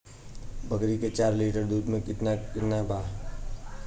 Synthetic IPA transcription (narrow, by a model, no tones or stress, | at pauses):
bəkɾiket͡ʃaːɾliʈəɾd̪uːd̪mẽkɪt̪nakɪt̪nabʱaː